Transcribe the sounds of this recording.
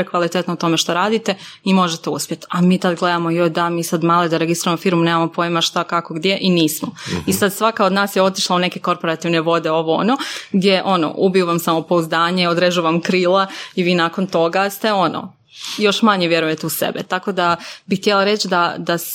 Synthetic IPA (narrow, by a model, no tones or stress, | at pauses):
ekʋalit̪et̪nout̪o̞meʃt̪oɾaːd̪it̪e̞ | imo̞ʒet̪euspʲjet̪amiːt̪ad̪ɡle̞d̪amojojd̪amiːsad̪maːlid̪aɾeɡisɾiujamofiːɾmuneːmamo̞poimaʃt̪akako̞ɡd̪je̞ʔiniːsmoisad̪sʋakaod̪naːsjeo̞t̪iʃlˠauneke̞ko̞ɾpo̞ɾat̪iʋne̞ʋo̞d̪e̞o̞ʋo̞o̰noɡd̪je̞ʔo̞no̰ʔubijuʋamsamopo̞uzd̪aːɲe̞od̪ɾed͡ʒuʋamkɾiːlˠaiʋiːnaːkont̪o̞ɡast̪e̞o̞no̰ | jo̞ʃmaɲeʋje̞ɾuje̞t̪euse̞̰bet̪ako̞d̪abixt̪jelˠaɾe̞t͡ʃd̪ad̪as